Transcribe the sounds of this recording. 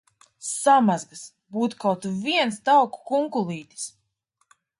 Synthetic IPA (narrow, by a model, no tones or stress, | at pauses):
samazɡas | buːt̪u̥kawt̪uviɛnst̪awku̥kuŋkulˠiːt̪ʲi̥s